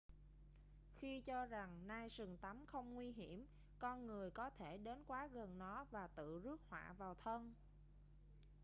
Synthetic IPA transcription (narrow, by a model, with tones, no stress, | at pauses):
xi˧t͡ɕɔ˧za˨˩ŋnaː˧jsɨ˨˩ŋt̪a˨˦mxə˧wŋ͡mŋwi˧ɦi˧˩əm | kɔ˧nŋɨ˨˩əjkɔ˨˦t̪ʰe˧˩ɗe˨˦nkwaː˨˦ɣə˨˩nːɔ˨˦vaː˨˩t̪ɨ̰˧˨zɨ˦˥ək̚hwa̰ː˧˨vaː˨˩wt̪ʰə˧n